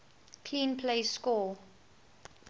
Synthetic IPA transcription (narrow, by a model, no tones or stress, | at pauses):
kʰlĩːnpʰleɪskɔː